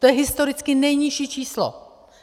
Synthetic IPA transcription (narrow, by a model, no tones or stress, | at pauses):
t̪ojɛɦɪst̪o̞ɾɪt͡skɪnɛjɲɪʃiːt͡ʃiːslo̰